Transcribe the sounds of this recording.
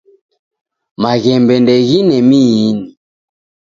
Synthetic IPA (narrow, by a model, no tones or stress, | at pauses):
maɣɛmbɛndɛɣinɛmiini